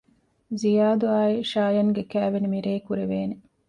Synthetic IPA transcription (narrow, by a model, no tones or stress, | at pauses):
zijaːd̪uaːiʃaːjɐŋɡekæːʋenimiɾeːkuɾeʋeːne